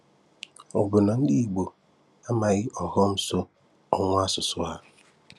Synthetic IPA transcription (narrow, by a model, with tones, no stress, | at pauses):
ɔ˨ɡʊ˨na˨n̩˦di˦i˨ɡ͡bo˨ | a˦ma˨ɣɪ˦ʔɔ˨ɦɔ˦m̩˦so˦ | ɔ˦ŋʷ˦a˦sʊ˨sʊ˦a˦